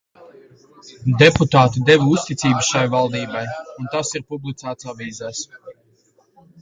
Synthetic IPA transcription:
d̪eput̪aːt̪id̪evust̪it̪sʲiːbɨsʃajvalˠd̪iːbajunt̪asiɾpublˠit̪sæːt̪saviːzɛːs

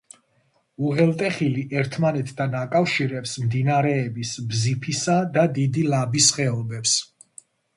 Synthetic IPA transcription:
uʁɛlˠt̪ʼɛχiliʔɛɾt̪ʰmanɛt̪ʰd̪anakʼafʃiɾɛpsmd̪inaɾɛːbisbzipʰisad̪ad̪id̪ilabisχɛɔbɛps

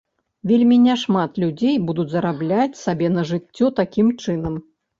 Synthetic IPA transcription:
vʲelʲmʲinʲɛʂmat̪lʲud͡zʲejbud̪ut͡sʲzɐɾablʲat͡sʲsabʲɛnɐʐɨt͡sʲːɔt̪akʲimt͡ʂɨnɐm

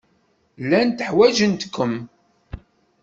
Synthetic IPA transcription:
lːænt̪əħwæʒənt̪kʰːəm

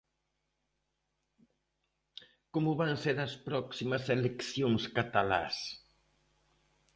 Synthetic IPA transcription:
komʊβanseɾɐspɾɔksimɐselekθjoŋskat̪ala̰s

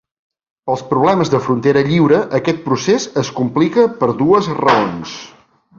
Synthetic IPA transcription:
pəlˠspɾuβlɛməzðəfɾunt̪eɾəʎiwɾəʔəkɛt̪̚pɾusezəskumplikəpəɾðuəzrəons

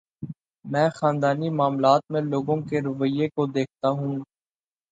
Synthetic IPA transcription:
mɛ̃ːxãːnd̪aːnimaːmlaːt̪̚mẽloːɡõkeɾɐʋəjːekod̪eːk̚ʰt̪aɦũː

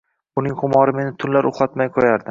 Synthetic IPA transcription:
ʊnɪŋhʊmɒɾɪme̞nɪt̪ʰʊnlaɾoχat̪majqʰojaɾd̪ɪ

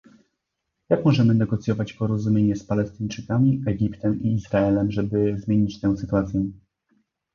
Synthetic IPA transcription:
jakmɔʐɛmɘnɛɡɔt̪sʲjɔvat͡ɕpɔɾɔzumʲjeɲɛspalɛst̪ɘɲt͡ʂɘkamʲiɛɡʲipt̪ɛmiːzɾaɛlɛmʐɛbɘzmʲeɲit͡ɕt̪ɛw̃sɘt̪uat̪sʲjɛ

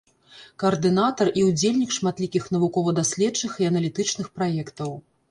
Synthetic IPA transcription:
kɐɐrd̪ɨnat̪ɐrʔiud͡zʲelʲnʲikʂmat̪lʲikʲixnɐvukɔvɐd̪asʲlʲɛt͡ʂːɨxiɐnɐlʲit̪ɨt͡ʂnɨxpɾajɛkt̪ɐw

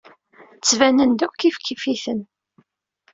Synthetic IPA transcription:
t͡sːvænənd̪ʊkːifkːifiθən

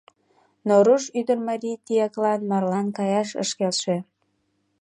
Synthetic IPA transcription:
noɾuʃyd̪ərmɑɾʲijt̪ijɑklɑnmɑrlɑnkɑjɑʃə̰ʃkelʃĕ

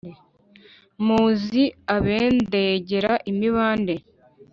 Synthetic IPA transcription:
muːziaβe̞ːndeɟeɾaʔimiβaːnde̞

